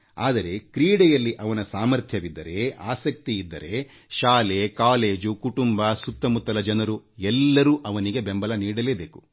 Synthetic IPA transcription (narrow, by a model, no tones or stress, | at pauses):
a̰ːd̪ɐɾe̞kɾiːɽɛjɐlːiʔɐʋɐnɐsaːmɐɾt̪ʰjɐʋid̪ːɐɾe̞aːsɐk̚t̪iːd̪ːɐɾe̞ | ʃaːle̞kaːle̞ːd͡ʒukuʈumbɐsut̪ːɐmut̪ːɐlɐd͡ʒɐnɐɾuɛlːɐɾuːʔɐʋɐniɡe̞bembɐlɐniːɽɐle̞ːbe̞ːku̥